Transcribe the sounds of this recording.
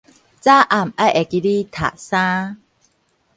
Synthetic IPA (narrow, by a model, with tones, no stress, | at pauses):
t͡sa˦ʔa˨˩˨ma˦ʔɛ˨ki˧li˦t̪ʰa̰˨ʔsã˦